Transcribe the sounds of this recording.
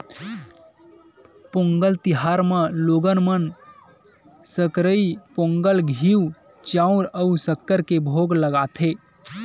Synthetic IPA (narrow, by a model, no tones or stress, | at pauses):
põŋɡəlt̪iɦaɾmãloːɡənmən | səkɾəipõːŋɡəlɡʱiw | t͡ʃaũɾəusəkːəɾkebʱoɡləɡat̪ʰe